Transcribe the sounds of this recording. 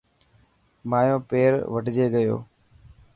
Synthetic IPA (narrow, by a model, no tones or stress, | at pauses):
maːjõːpeːɾʋəʈɪd͡ʒeːɡəjo̰ː